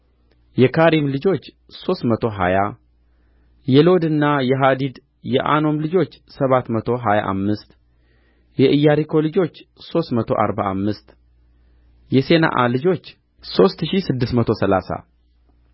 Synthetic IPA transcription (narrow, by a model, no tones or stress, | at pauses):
jɛkʰaɾimlɨd͡ʒo̞t͡ʃː | so̞st̪mət̪ʰo̞ɦa̰ja | jɛlo̞d̪ɨnːajɛɦad̪id̪ | jɛʔa̰no̞mlɨd͡ʒo̞t͡ʃːsəβat̪mət̪ʰo̞ɦaja̰ʔa̰mːɨst̪ | jɛʔɨjːaɾikʰo̞lɨd͡ʒo̞t͡ʃːso̞st̪mət̪ʰo̞̰ʔa̰ɾbaamːɨst̪ | jɛse̞na̰ʔa̰lɨd͡ʒo̞t͡ʃː | so̞st̪ʃisɨd̪ːɨsmət̪ʰo̞səlasa̰